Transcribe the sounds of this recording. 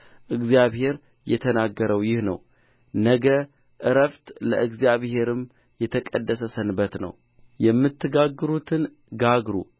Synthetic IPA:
ʔɨɡzijaβhe̞ɾ | jɛt̪ʰənaɡːəɾəwjɪhnə̰w | nəɡə | ʔɨɾəft̪lə̰ʔɨɡzjaβhe̞ɾɨm | jɛt̪ʰəkʼəd̪ːəsəsənbət̪nə̰w | jɛmːɨt̪ːɨɡaɡːɨɾut̪ʰɨn | ɡaɡɾṵ

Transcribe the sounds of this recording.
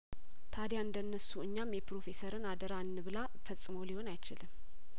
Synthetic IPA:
t̪ʰad̪jaɨnd̪ənːəsuɨɲːamjɛpɾo̞fe̞səɾɨnad̪əɾaɨnːɨβɨla | fəsʼɨməwliho̞najt͡ʃɪlm

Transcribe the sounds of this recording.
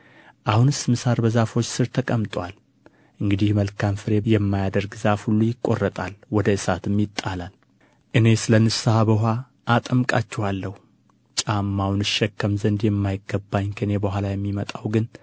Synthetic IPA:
ʔahunɨsmɨsaɾbəzafo̞t͡ʃːsɨɾt̪ʰəkʼəmt̪ʼwal | ʔɨŋɡɨd̪ihməlkʰamfɨɾe̞jɛmːajad̪əɾɡzafhulːujɪkʼːo̞̰rːət̪ʼalwɔd̪əɨsat̪ɨmːjɪt̪ʼːalal | ʔɨne̞sɨlənːɨsəhabəɦʷa | ʔːt̪ʼəmkʼa̰t͡ʃːɛwalːəhu | t͡ʃʼamːawnɨʃːɛkːəmzənd̪jɛmːajɪɡːəbːaɲkʰəɨne̞bəɦʷalajɛmːimət̪ʼawɡɨn

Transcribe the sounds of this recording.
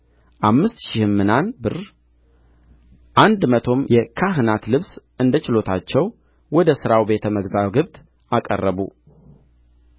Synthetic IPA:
ʔamːɨst̪ʃɪhmːɨnanbɨr | ʔand̪mət̪ʰo̞mjɛkʰaɦɨnat̪lɨβsʔɨnd̪ət͡ʃɪlo̞t̪ʰat͡ʃːɛw | wɔd̪əsɨɾawbe̞t̪ʰəməɡzawɡɨβt̪ʼ | ʔakʼə̰rːəβṵ

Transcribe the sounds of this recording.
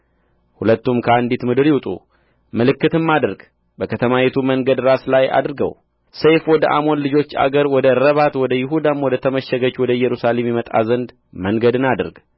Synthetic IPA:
hulət̪ːumkʰəand̪it̪mɨd̪ɨɾjɪwt̪ʼṵ | məlɨkːɨt̪ɨmːad̪ɾɡ | bəkʰət̪ʰəmawet̪ʰuməŋɡəd̪ɾaslaja̰d̪ɾɨɡə̰w | sejfwɔd̪əʔamo̞nlɨd͡ʒo̞t͡ʃːa̰ɡəɾwɔd̪əɾəβat̪wɔd̪əjɪɦud̪amwɔd̪ət̪ʰəməʃəɡət͡ʃwɔd̪əjɛɾusale̞mjɛmət̪ʼa̰zənd̪ | məŋɡəd̪ɨnad̪ɨɾɡ

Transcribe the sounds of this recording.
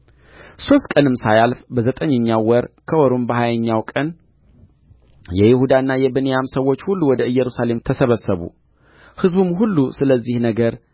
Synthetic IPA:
so̞st̪kʼənɨmːsajalfbəzət̪ʼəɲːəɲːawɔɾkʰəwɔɾombəhajəɲːawkʼən | jɛjɪhud̪aɨnːajɛbənejamsəwːo̞t͡ʃːhulːuwɔd̪əɨjːɛɾusale̞mt̪ʰəsəβəsəβṵ | hɨzbumɦulːusɨləzːihnəɡəɾ

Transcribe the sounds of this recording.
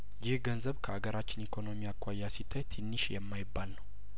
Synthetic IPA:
jɪhɡənzəβkʰəaɡəɾat͡ʃːɪnikʰo̞no̞mijakʰʷːajːasit̪ʰːajt̪ʰɨnːɨʃjɛmːajɪbːalnəw

